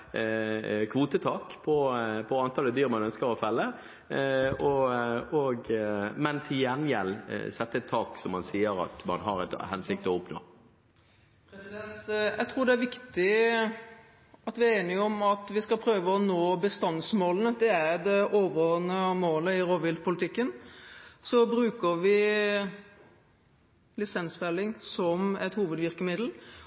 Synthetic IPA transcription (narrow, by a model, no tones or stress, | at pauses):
kʰʋuːt̪ət̪ʰɑːkpʰɔpʰɔɑnt̪ʰɑlːəd̪yːʁmɑnœnskəɾɔfɛlːə | ɔɔɡmɛnt̪ʰɪljænjɛl̰sɛt̪ːəɛt̪ʰːɑːksɔmhɑnsiːəɾɑ̰t̪mɑ̰nɦɑɾɛt̪hɛnsɪk̚t̪əɔɔpno̰ː | pʰɾɛsɪd̪ɛnt̪jʔæ̰ɡt̪ʰɾuːɾɖ̪ɛæʋɪkt̪ɪ | ɑt̪ʋɪæɾeːnɪɔmɑt̪ʋɪskɑpʰɾøːʋəɔnoːbəst̪ɑnsmoːlənəd̪ɛæɾd̪ɛʔoːʋənəmoːləɪɾoːʋɪlt̪pʰʊlɪt̪ʰɪkːən | sɔbɾʉːkəɾʋɪ | lɪsɛnsfɛlːɪŋsɔmɛt̪huːʋəd̪ʋɪɾkəmɪd̪l̩